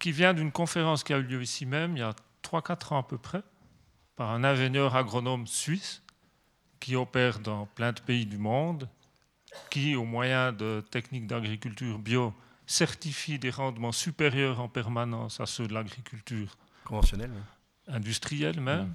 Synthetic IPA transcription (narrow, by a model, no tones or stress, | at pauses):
kʲivjɛ̃d̪ynkɔ̃feʁɑ̃skʲiayljøisimɛmiljat̪χwakat̪χɑ̃apøpχɛ | paʁɛ̃nɛ̃ʒenjœːʁaɡʁɔnɔmsɥis | kʲiɔpɛːʁd̪ɑ̃plɛ̃d̪əpeid̪ymɔ̃ːd̪ | kʲiomwajɛ̃d̪ət̪ɛknik̚d̪aɡʁikʲylt̪yːʁbjɔ | sɛʁt̪ifid̪eʁɑ̃d̪mɑ̃sypeʁjœːʁɑ̃pɛʁmanɑ̃ːsa̰sød̪əlaɡʁikʰʲylt̪yːʁ | kɔ̃vɑ̃sjɔnɛl | ɛ̃d̪yst̪χijɛlmɛm